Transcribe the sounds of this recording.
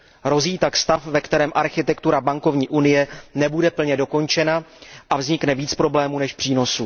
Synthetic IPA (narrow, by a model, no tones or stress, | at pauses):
ɾo̞ziːt̪akst̪afvɛkt̪ɛɾɛːmʔaɾxɪt̪ɛkt̪uɾabaŋko̞vɲiːʔunɪjɛnɛbudɛpl̩ɲɛdo̞ko̞nt͡ʃɛnaʔavzɲɪknɛviːt͡spɾo̞blɛːmuːnɛʃpr̥iːno̞su